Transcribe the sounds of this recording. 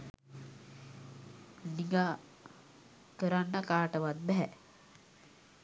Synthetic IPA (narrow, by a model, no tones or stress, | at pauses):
niŋɡa | kəɾanːəkaːʈəʋat̪̚bɛɦɛ